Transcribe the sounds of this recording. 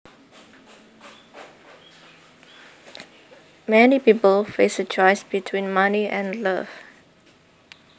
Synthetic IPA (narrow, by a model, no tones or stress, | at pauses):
mɛnipipəlfesət͡ʃɔɪsbitʰwĩnmaniʔɛ̃nləv